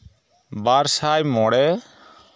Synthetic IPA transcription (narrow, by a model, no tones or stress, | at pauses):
baːɾsaːjmɔɽɛ